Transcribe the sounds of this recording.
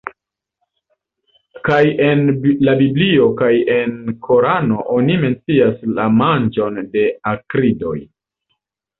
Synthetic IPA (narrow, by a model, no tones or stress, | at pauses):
kaje̞nlabiblio̞kaje̞nkʰo̞ɾano̞ʔonime̞nt͡siaslamand͡ʒo̞nde̞akɾido̞̰j